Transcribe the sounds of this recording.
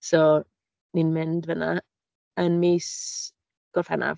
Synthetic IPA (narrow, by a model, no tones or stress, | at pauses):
sɔ | ninmɪndvəna | ənmiːs | ɡ̥ɔrfɛ̰nʔa̰v